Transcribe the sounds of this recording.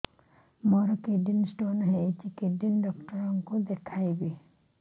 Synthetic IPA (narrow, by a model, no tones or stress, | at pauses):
mɔɾɔkeɖinsʈonɦetikeɖinɖɔkʈɔɾɔŋkod̪ekʰajbi